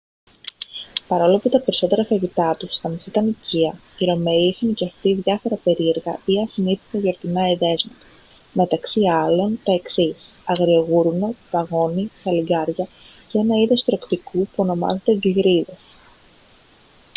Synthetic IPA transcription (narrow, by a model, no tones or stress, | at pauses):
pɐɾo̞loɐput̪ɐpe̞ɾiso̞t̪e̞ɾɐfɐʝit̪ɐt̪ust̪ɐmisit̪ɐniciɐ | iɾo̞me̞iixɐniceft̪iðʝɐfo̞ɾɐpe̞ɾie̞ɾɣɐiɐsiniθet̪eʝo̞ɾt̪inɐiðe̞zmɐt̪ɐ̥ | me̞t̪ɐksiɐlo̞nt̪o̞e̞ksisɐɣɾioɣuɾunep̪ɐɣo̞nisɐliɡɐɾʝɐ | ceenɐiðo̞st̪ɾo̞kt̪ikupuo̞no̞mɐ̰zed̪eɟiɣɾiðe̞s